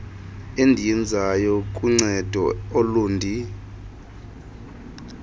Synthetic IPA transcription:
endʱijind͡zʱajɔkʼuŋ͡ǀɛd̥ʱɔ̰oluːndʱi

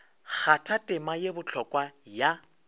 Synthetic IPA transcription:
k͡xatʰatʼɪmajebʊt͡ɬʰɔkʼwaja

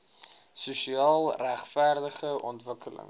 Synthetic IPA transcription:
suʃiɑːlˠræχfærdəχəʔɔ̰ntvəkʰələ̰ŋ

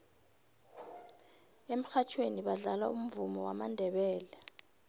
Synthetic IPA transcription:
em̩xat͡ʃʰweniɓaɮala̰um̩vumɔwamandʱɛɓɛːlɛ

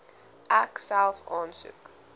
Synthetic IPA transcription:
ʔæksælfɑːnsṵk

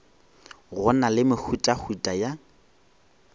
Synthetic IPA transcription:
ɣʊnalɪmɪk͡xʰutʼahʰutʼaja

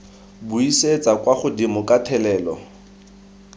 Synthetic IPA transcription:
buiset͡sʼakwaχʊdimʊkʼatʰɛlɛːlɔ

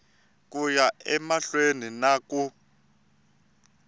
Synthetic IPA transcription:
k̬ʼujaɛmaɬweninaːk̬ʼu

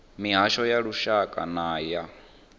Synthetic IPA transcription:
miɦaʃɔjaɺuʃakʼa̰naːja

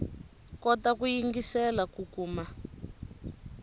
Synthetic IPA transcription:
kɔtakujiŋɡisɛlakukuːma

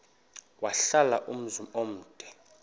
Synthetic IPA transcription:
waɬala̰ʔum̩zumom̩ːd̥ʼʱɛ̥

